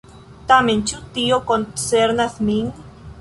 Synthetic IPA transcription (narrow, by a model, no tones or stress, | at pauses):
t̪ament͡ʃut̪iokonseɾnaθmiŋ